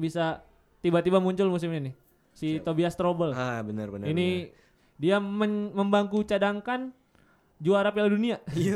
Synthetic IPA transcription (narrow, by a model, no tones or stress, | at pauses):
bisa | t̪ibat̪ibamuɲt͡ʃʊlmus̬ɪmɲinɪ | sit̪obiast̪ɾobəlabənərbənini | diaməməmbaŋkut͡ʃadaŋkan | d͡ʒuaɾap̬iladunia